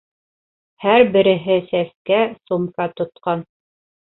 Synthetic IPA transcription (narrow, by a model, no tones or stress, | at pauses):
hæɾbɘ̆ɾɘ̆ɦɘsæskæsumkɑt̪ŏt̪̚qɑn